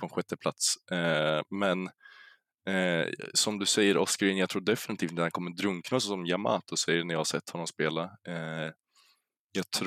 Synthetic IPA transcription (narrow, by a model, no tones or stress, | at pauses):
pʰɔɛnɧɛt̪ːəpʰla̰t̪s | mɛn | sɔmd̪ɵsɛjːəɾɔskaɾɪnjaɡt̪ʰɾuːɖɛfɪnɪt̪ʰiːft̪ːɾhankʰɔmːəd̪ɾɵŋknaɔssɔmjama̰ːt̪ʰɔsɛjːəɳæɾjɑhasɛt̪ːhɔnːɔmspeːla | jɑɡt̪ʰɾ